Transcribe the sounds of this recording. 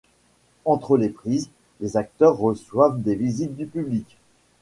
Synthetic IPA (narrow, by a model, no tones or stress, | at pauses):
ɑ̃t̪χəlepχiz | lezak̚t̪œʁːəswavd̪evizit̪̚d̪ypyblikʲ